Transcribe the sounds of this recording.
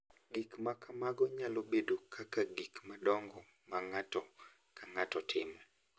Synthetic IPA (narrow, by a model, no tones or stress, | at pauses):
ɡikmakamaɡɔɲalobedokʰakaɡikmadɔŋɡɔ | maŋatɔ | kʰaŋatɔtʰɪmɛ